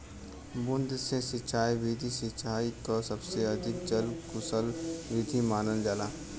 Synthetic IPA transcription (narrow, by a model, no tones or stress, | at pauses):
bʊnd̪sesɪt͡ʃʰaːiʋɪd̪ʱisɪt͡ʃʰaːikasəbseɐd̪ʱɪk̚d͡ʒəlkʊsəlʋɪd̪ʱimaːnəld͡ʒaːlaː